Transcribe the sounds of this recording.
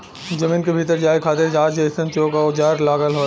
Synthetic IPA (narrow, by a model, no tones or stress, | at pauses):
d͡ʒɐmĩːnkebʱiːt̪̬əɾd͡ʒaːekʰaːt̪eɾd͡ʒaːd͡ʒɐɪsə̃nt͡ʃoːkaod͡ʒaːɾlaːɡəlɦoː